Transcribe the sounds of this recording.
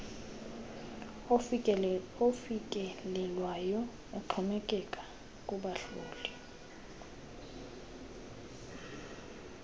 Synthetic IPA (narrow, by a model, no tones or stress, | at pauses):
ofikʼɛlɛlwajɔ | uǃʰumɛkʼɛkʼḁ | kʼuɓaɬuːli